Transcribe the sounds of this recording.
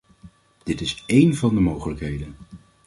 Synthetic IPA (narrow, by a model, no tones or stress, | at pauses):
d̥ɪtɪsejnvɑndəmowχələkɦejdən